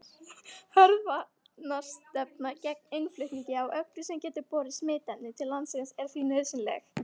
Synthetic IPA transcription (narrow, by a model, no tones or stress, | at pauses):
hœɾðva | nḁst̪ɛpnacɛk̚nejnflʏɥht̪niɲcɪawʔœkɾʏsɛmcɛːt̪ɪɾpɔːɾɪsmeːt̪ɛnɪt̪ʰɪlːansɪɣasɛɾ̥θvinœɥsɪnlɛ̰x